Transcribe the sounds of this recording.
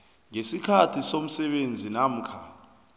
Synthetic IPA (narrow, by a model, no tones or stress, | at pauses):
ŋesikʰatʰisom̩sɛɓend͡zʱinam̩kʰa